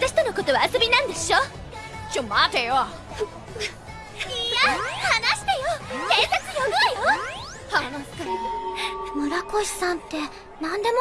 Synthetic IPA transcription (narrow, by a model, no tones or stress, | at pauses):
zaɕi̥t̪onoko̞t̪o̞βaːso̞bʲinãnd̪e̞ɕo | t͡ɕomat̪ejo | iahanaɕi̥t̪ejokeːset͡sɨjoɡɯjo | hamano̥t̪a | moɾakoɕi̥sãnt̪ːe̞ | nãnd̪e̞mo